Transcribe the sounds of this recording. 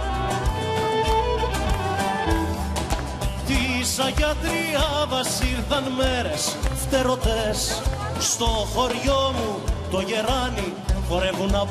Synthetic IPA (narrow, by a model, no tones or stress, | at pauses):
t̪isɐʝɐt̪ɾiɐvɐsiɾθɐnmeɾesft̪e̞ɾo̞t̪es | st̪o̞xo̞ɾʝo̞mut̪o̞ʝe̞ɾɐni | ɣoɾevunɐ